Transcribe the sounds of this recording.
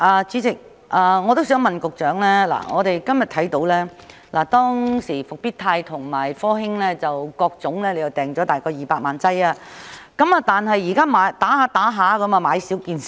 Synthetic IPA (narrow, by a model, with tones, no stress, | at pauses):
ʔaː˨˧t͡siː˨˥t͡sɪ˨k̚ | ʔaː˨˧ŋɔː˨˧t̪o˥wsœː˨˥ŋmɐ˨nkʊ˨k̚t͡ʃœː˨˥ŋlɛː˥la̰ː˨˩ŋɔ̰ː˨˧t̪e˨jkɐ˥mjɐ˨t̪ʰɐ˨˥jt̪o˨˥wlɛː˥ | laː˨˩t̪ɔː˥ŋsiː˨˩fʊ˨k̚piː˥t̪ʰaː˧jt̪ʰʊ˨˩ŋmaː˨˩jfɔː˥ɦɪ˥ŋlɛː˥t͡sɐ˨wkɔː˧k̚t͡sʊ˨˥ŋlɛː˥le˨˧jɐ˨˩wt̪ɛː˨˩ŋt͡ʃɔː˨˧˥t̪aː˨jkɔː˧jiː˨paː˧t̚maː˨nt͡sɐ˥jaː˧ | kɐ˨˦˥mɐ˨˧t̪aː˨nɦɐ˨jːiː˨˩kaː˥maː˨˧jt̪aː˨˥haː˨˧t̪aː˨˥ɦaː˨˧˥kɐ˨˧˥mɐ˨˧maː˨˧jsiː˨˥wkiː˧n˨